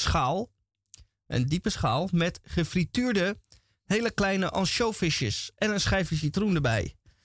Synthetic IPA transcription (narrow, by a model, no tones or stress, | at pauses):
sχaːlˠ | ʔə̰ndipəsχaːlˠmɛtχəfrityːɹdə | hejləklɛjnəʔɑnʃowfɪʃə̰sʔɛnənsχɛjfəs̬itrundəɹbɛ̰j